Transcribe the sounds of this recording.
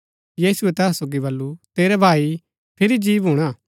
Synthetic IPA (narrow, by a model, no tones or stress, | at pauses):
jiːsʊɛt̪ɛːsoːɡibɐlːut̪eːɾɛbʱaːi | pʰɪɾid͡ʒiːʋɦuɽ̃aː